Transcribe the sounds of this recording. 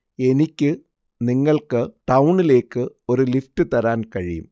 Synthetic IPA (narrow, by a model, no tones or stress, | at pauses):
e̞nikʲːɨ | niŋːɐɭkɨʈɐwɳile̞ːkːɨ | o̞ɾuliftɨt̪ɐɾaːnkɐɻijṵm